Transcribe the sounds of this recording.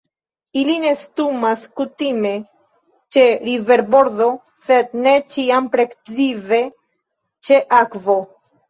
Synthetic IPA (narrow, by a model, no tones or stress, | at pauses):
iline̞stumaskutime̞ | t͡ʃe̞ɾive̞ɾbo̞ɾdo̞ | se̞d̪̚ne̞t͡ʃiampɾe̞kt͡size̞ | t͡ʃe̞ʔakvo